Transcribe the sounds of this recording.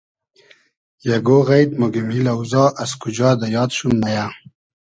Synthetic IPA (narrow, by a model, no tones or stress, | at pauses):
jaɡoɣajd̪muɡimilawzɑːʔaskud͡ʒɑːd̪ajɑːd̪ʃumːaja